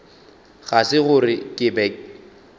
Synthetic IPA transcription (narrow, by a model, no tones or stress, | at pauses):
ɣasɪɣʊrɪkʼɪbɛk̚